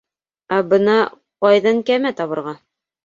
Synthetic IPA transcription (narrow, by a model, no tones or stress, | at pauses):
æbɤ̆nɑ | qɑjðɑŋkæmæt̪ɑβɤ̆ɾʁɑ